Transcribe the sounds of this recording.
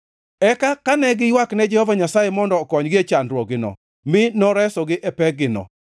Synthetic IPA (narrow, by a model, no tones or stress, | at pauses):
ɛkakanɛɡɪjwaknɛd͡ʒɛhɔvaɲasajemɔndɔkɔɲɡɪet͡ʃandɾwɔɡɪnɔ̰ | mɪnɔɾɛsɔɡɪʔɛpɛɡɪnɔ̰